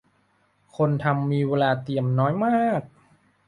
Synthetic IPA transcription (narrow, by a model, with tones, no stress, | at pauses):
kʰo˧nt̪ʰa˧mːiː˧weː˧laː˧t̪i˧˩əmnɔː˦˥jmaː˥˩k̚